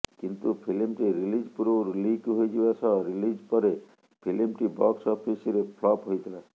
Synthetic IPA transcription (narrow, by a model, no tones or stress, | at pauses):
kint̪upʰilimʈiɾilid͡ʒpuɾɾulikɦojd͡ʒiʋat͡ʃʰɔɾilid͡ʒpɔɾe | pʰilimʈibɔksɔpʰisɾepʰlɔpɦojd̪ʰʱala